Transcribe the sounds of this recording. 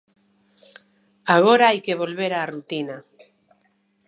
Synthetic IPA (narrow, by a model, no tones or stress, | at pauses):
aɣ̞oɾaajkeβ̞olβeɾaːrut̪ina